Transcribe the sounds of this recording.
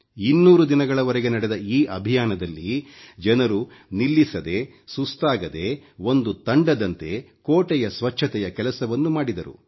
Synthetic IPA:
inːuːɾud̪inɐɡɐɭɐʋɐɾɛɡenɐɽɛd̪ɐiːʔɐbʱijaːnɐd̪ɐlːid͡ʒɛnɐɾunilːisɐd̪e̞ | sust̪aːɡɐd̪e̞o̞nd̪ut̪ɐɳɖɐd̪ɐnt̪e̞ | koːʈɛjɐsʋɐt͡ʃʰːɐt̪ɛjɐkɛlɐsɐʋɐnːumaːɽid̪ɐɾṵ

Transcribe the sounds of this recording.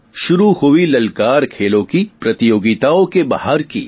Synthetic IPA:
ʃʊɾuhoilɐlkaːɾkʰeːlõkipɾɐt̪ijoːɡɪt̪aõkeba̰ːɦaɾkḭ

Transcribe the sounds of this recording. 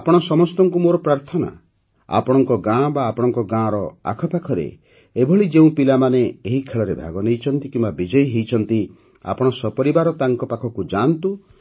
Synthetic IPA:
apɔɽ̃ɔsɔmɔst̪ɔŋkumoɾɔpɾaɾt̪ʰɔna̰ | a̰pɔɽ̃ɔŋkɔɡãbaːpɔɽɔŋkɔɡãɾɔa̰kʰɔpakʰɔɾḛ | ebʱɔɭid͡ʒeũpilamaneeɦikʰeɭɔɾebʱa̰ɡɔnejt͡ʃʰɔnt̪ikĩmbabid͡ʒɔjɦejt͡ʃʰɔnt̪i | a̰pɔɽ̃ɔsɔpɔɾibaɾɔt̪aŋkɔpakʰɔkud͡ʒant̪u

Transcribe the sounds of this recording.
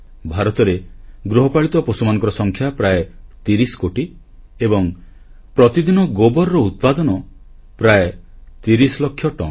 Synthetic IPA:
bʱaɾɔt̪ɔɾeɡɾoɦɔpaɭit̪ɔposumanɔ̃ŋkɔɾɔsɔŋkʰjapɾaet̪iɾisɔ̥koʈi | ebɔŋ | pɾɔt̪id̪inɔɡobɔɾːɔut̪̚pad̪ɔnɔ | pɾaet̪iɾisɔlɔkʰːjɔʈɔ̰n

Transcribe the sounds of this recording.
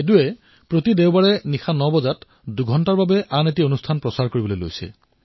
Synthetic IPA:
eduɛ | pɹotideʊbaɹɛnixʰanɔbɔzat | duɡʱɔntaɹbabɛʔanetionustʰanpɹɔsaɹkoɹibɔlojlo̰jsɛ̰

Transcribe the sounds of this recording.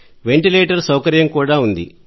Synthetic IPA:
ʋe̞ɳʈileːʈɐɾsɐwkɐɾjɐmkuːɽaːund̪ḭ

